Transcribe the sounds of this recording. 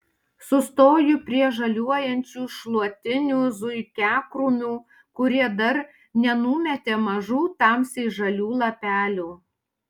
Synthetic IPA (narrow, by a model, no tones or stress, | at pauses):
sʊst̪oːjʊpʲɾʲiɛʒɐlʲuɔjɛnʲt͡ʃʲuːʃlˠuɔt̪ʲɪnʲuːzʊɪkʲæːkɾʊmʲuː | kʊɾʲiɛd̪ɐɾ | nʲɛnʊmʲɛt̪ʲeːmɐʒuːt̪ɑmsʲɪʒɐlʲuːlˠɐpʲæːlʲuː